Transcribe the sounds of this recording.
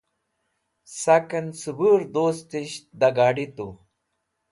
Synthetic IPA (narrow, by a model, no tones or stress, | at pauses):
sakɐnsubuːɾd̪oːst̪iɕd̪ɐɡaːɖit̪u